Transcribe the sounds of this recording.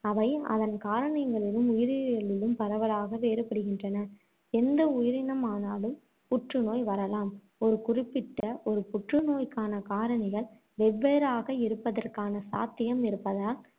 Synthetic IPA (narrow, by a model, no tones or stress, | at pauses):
ɐʋɐɪɐ̰ðɐnkaːɾɐɳɐjŋɡɐɭɪlɯmʊjɪɾɪɣɐɭɪlɯmpɐɾɐʋɐlaːɣɐʋeːɾɯpɐɽɯɣɪndrɐnɐ | ɛnd̪ɐʊjɪɾɪnɐmaːnaːlɯm | pʊʈrɯnoːjʋɐɾɐlaːm | ɔɾɯkʊrɪpːɪʈːɐʔɔɾɯpʊʈrɯnoːjkaːnɐkaːɾɐɳɪɣɐɭ | ʋɛʋːeːɾaːɣɐɪɾɯpːɐðɐrkaːnɐsa̰ːt̪ːɪjɐmɪɾɯpːɐðaːl